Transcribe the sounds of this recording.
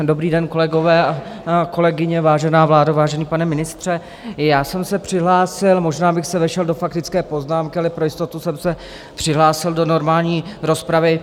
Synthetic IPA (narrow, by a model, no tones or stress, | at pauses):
dobɾiːdɛnko̞lɛɡo̞vɛːako̞lɛɡɪɲɛvaːʒɛnaːvlaːdavaːʒɛniːpanɛmɪnɪst̪r̝̥ɛ | jaːsɛmsɛpr̝̥ɪɦlaːsɪlmo̞ʒnaːbɪxsɛvɛʃɛldo̞fak̚t̪ɪt͡skɛːpo̞znaːmkɪalɪpɾojɪst̪o̞t̪usɛmsɛ | pr̥ɪɦlaːsɪldo̞no̞ɾmaːlɲiːɾo̞spɾavɪ